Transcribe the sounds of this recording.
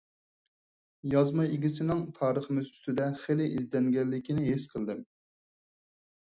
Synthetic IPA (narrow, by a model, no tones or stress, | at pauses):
jɑzmɑjiɡʲis̬ɪnɪŋt̪ʰɑːɾəχəmɪzy̥st̪ɪd̪ɛχelɪʔizd̪ɛŋɡʲɛlːɪkʲinɪɦeʃqʰəlˠd̪ɪm